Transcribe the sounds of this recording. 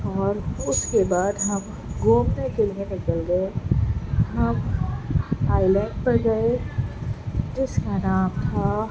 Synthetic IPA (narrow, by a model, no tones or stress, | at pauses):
ɔːɾʊskebaːd̪ɦɐm | ɡoːmnekelienɪkəlɡəe | ɦɐm | aːɪlɛ̃ɳɖpɐɾɡɐe | d͡ʒɪskanaːmt̪ʰa